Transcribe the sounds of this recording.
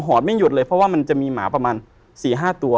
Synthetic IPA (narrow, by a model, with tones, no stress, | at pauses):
ɦɔː˨˩t̪̚ma˥˩juː˨˩t̪̚lɤː˧jpʰɾɔ˦˥waː˥˩ma˧nt͡ɕa˨˩ʔmiː˧maː˩˦pɾa˧maː˧n | siː˨˩ɦaː˥˩t̪u˧ɐ